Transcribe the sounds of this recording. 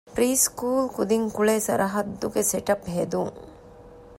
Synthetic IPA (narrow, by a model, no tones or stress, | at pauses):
pɾiːskuːlkud̪iŋkuɭeːsɐɾʔɐɦɐd̪ːuɡeseʈɐpɦed̪uŋ